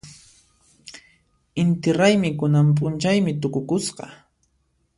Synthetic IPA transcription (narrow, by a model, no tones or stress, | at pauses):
ɪnt̪ɪɾajmɪkʊnampʼʊnt͡ʃajmɪt̪̬ʊkʊkʊsqɑ̰